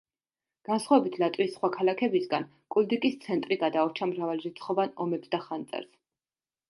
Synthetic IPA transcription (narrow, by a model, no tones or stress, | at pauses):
ɡ̥ansχwavɛbit̪ʰlat̪ʼwisχwakʰalakʰɛbisɡan | kʼuld̪ikʼist̪sʰɛnt̪ʼɾiɡad̪aɔɾt͡ʃʰamɾavalɾit̪sʰχɔvanɔmɛpsd̪aχant̪sʼɛ̰ɾs